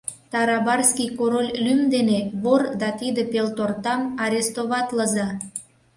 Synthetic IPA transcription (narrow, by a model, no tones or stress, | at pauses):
t̪ɑɾɑbɑrskikoɾolʲlymd̪eneβord̪ɑt̪id̪epelt̪ort̪ɑmɑɾʲest̪oβɑt̪ləzɑ